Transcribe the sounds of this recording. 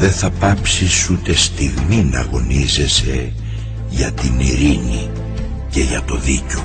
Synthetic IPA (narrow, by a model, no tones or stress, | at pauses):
ðe̞θɐpɐpsisut̪e̞st̪iɣminɐ̰ɣo̞nize̞se̞ | ʝɐt̪iniɾini | ce̞ʝɐt̪o̞ðico̞